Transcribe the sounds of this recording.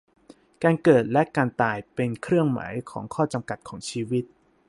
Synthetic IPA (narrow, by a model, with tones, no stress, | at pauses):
kaː˧nkɤː˨˩t̪̚lɛ˦˥ʔkaː˧nt̪aː˧jpe˧nkʰɾɯ˥˩əŋma̰ː˩˦jkʰɔ̰ː˩˦ŋkʰɔː˥˩t͡ɕa˧mka˨˩t̪̚kʰɔː˩˦ŋt͡ɕʰiː˧wi˦˥t̪̚